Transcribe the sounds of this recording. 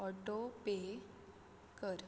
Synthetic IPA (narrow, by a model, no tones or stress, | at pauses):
ɔʈope | kəɾ